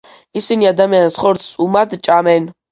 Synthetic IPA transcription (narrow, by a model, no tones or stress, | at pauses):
isiniad̪amiansχɔɾt̪ʰsʼumad̪t͡ʃʼamɛn